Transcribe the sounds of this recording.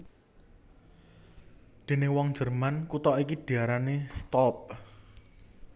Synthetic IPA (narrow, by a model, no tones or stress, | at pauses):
d̪̥e̤newɔŋ̥d͡ʒ̥ərmankut̪ɔʔikiɖ̥i̤aɾanest̪ɔp̚